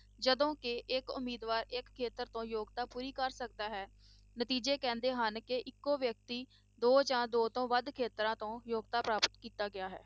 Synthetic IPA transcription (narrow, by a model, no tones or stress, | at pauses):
d͡ʒəd̪õːkɪɪkʊ̰miːd̪ʋaːɾɪkʰːeːt̪əɾt̪õːjoːɡt̪aːpuːɾiːkəɾsək̚d̪aːɦɛː | nət̪iːd͡ʒeːkɛ̃ːnd̪eːɦənkɪʔɪkːõːʋjək̚t̪iː | d̪oːd͡ʒãːd̪oːt̪õːʋəd̪kʰeːt̪ɾãːt̪õːjoːɡt̪aːpɾaːpət̪kiːt̪aːɡɪaːɦɛ̰ː